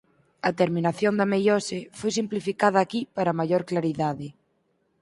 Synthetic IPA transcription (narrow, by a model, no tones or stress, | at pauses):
ɐt̪eɾmĩnaθjond̪ɐamejɔsefojs̬implifikaðɐːkipaɾamajoɾklaɾiðaðɪ